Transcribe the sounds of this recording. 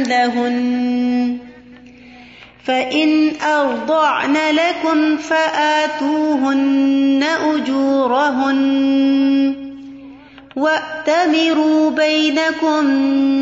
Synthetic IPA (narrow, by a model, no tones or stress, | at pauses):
laɦʊn | faʔɪnʔɑɾˤd̪ˤɑʕnalakʊmfaʔaːt̪uːɦʊnːaʔʊd͡ʒuːɾˤaɦʊn | waʔt̪amɪɾuːbajnakʊm